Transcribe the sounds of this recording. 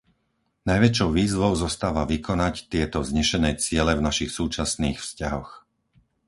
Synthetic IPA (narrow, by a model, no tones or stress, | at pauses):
najʋɛt͡ʃɔʊʋiːzʋɔʊzɔst̪aːʋaʋikʰɔnact̪ɪɛt̪ɔzɲɛʃɛnɛt͡sɪɛlɛvnaʃixsuːt͡ʃasniːxfscaɦɔx